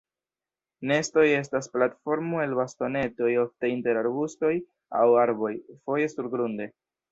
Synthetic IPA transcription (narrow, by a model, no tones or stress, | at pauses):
ne̞sto̞je̞stasplatfo̞ɾmoe̞lbasto̞ne̞to̞jo̞fte̞inte̞ɾaɾbusto̞j | a̰waɾbo̞jfo̞je̞suɾɡɾunde̞